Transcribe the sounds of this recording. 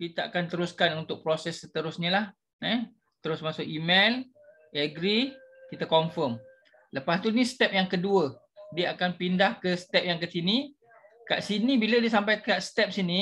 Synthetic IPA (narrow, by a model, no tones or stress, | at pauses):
kit̪aa̰kant̪əɾʊskanunt̪ʊk̚pɾosɛsːət̪əɾʊsɲəlah | ɛ | t̪əɾʊsmasʊkimel | əɡɾikit̪akoɱfəm | ləpast̪unisət̪ɛp̚jaŋkəduə | diəakanpindahkəsə̥t̪ɛp̚jaŋkəsini | ka̰ʔsinibilədiəs̬ampajkaʔst̪ɛp̚sini